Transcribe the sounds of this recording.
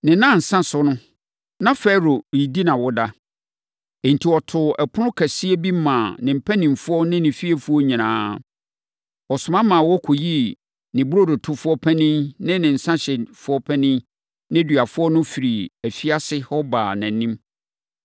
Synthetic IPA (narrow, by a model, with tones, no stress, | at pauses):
nɪ̃˨nã˦˨n̩˨sã˦sʊ˦nʊ̃˦ | nã˦fɛ˦ɾo˨i˨di˦nã˨wɔ˦da˦ | e˨n̩˨tʰi˨ɔ˨tʰʊ˨ɛ˨pʰʊ˦nʊ̃˦kʰæ˨sɪ˦e˦bi˦mãː˨nɪ̃˨m̩˨pʰæ˦nĩ˨mfʊ˦ɔ˦nɪ̃˦nɪ̃˨fi˦e˦˨fu˦ɔ˦ɲĩ˨nãː˦ | ɔ˨sʊ˨mã˦mã˨wɔ˦kʰɔ˨ji˦ | nɪ̃˨bʊ˦ɾo˦dʊ˨tʰʊ˦fʊ˦ɔ˦pʰɛ˦nĩ˦nnɪ̃˦nɪ̃˨n̩˨sã˦ɕɛ˨fʊ˦ɔ˦pʰɛ˦nĩ˦ | nɪ̃˦dɥa˨fʊ˦ɔ˦nʊ̃˦fi˨ɾi˨æ˨fi˦a˦sɪ˦hɔ˦ba̰ː˨næ̃˨nĩ˦m